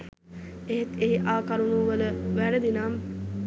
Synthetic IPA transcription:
eɦet̪eɦiʔaːkaɾunuːʋələʋæɖəd̪inaːm

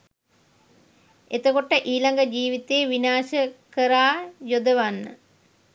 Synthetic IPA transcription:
et̪əkoʈəʔiːlaŋɡəd͡ʒiːʋit̪eːʋinaːʃəkəɾaːjod̪əʋanːə̰

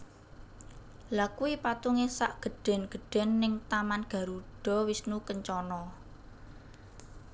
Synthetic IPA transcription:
lakuipat̪uŋesaʔɡ̥ə̤ɖ̥ɛ̤nɡ̥ə̤ɖ̥ɛ̤nːɪŋt̪amanɡ̥a̤ɾuɖ̥ɔ̤wisnukəɲt͡ʃɔnɔ

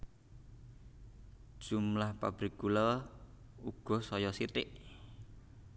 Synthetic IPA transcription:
d̥ʒ̥umlahpa̰b̥ɾiɡ̚ɡuləl | uɡ̥ɔ̤sɔjɔsitɪʔ

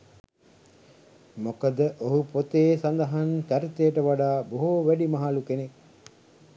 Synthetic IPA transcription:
mokəd̪əʔoɦupot̪eːsand̪ɐɦank̪æɾit̪ejəʈəʋaɖaːboɦuʋæɖimaɦalukenek

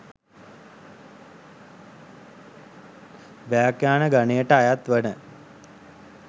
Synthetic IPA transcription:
ʋaːkjaːnəɡanejəʈəajat̪ʋənə

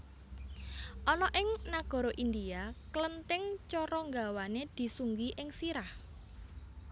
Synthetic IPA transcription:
ʔɔnɔʔɪŋnaɡ̥ɔ̤ɾɔʔind̪iaklənt̪ɪŋt͡ʃɔɾɔŋɡawaned̪̥i̤suŋɡiʔɪŋsiɾah

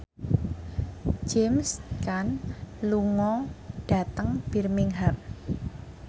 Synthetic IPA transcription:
d͡ʒemskanluŋɔɖ̥a̤t̪əŋb̥i̤rmɪŋɦap̚

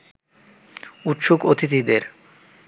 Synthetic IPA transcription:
ut̪ʃukot̪ʰit̪id̪eɾ

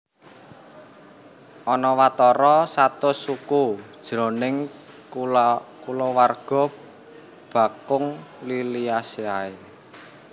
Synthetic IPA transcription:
ʔɔnɔwat̪ɔɾɔsat̪ʊsukud̥ʒ̥ɾɔ̤nɪŋ | kulɔwarɡ̥ɔ̤p | b̥ä̤kʊŋliliaseae

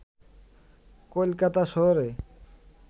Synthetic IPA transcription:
kolkat̪aʃɔɦoɾe

